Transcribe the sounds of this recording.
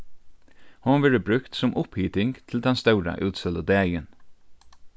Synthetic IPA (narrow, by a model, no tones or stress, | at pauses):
hʊnʋɛːɹəbɾʉkt̪sɔmʔʊphiːt̪ɪŋt̪ʰɪl̩d̪ɛnst̪œʊɾa̰ʔʉːt̪səlɔd̪æːjən